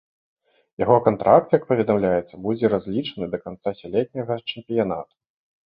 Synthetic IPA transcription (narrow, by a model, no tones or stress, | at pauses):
jaɣɔkant̪ɾʔak̚t̪jak̚pɐvʲɛd̪amlʲajɛt̪sːɐbud͡zʲɛɾazʲlʲit͡ʂɐnɨd̪ɐkant̪sasʲalʲɛt̪̚ʲnʲɐɣɐt͡ʂɛmpʲijan̪a̰t̪u̥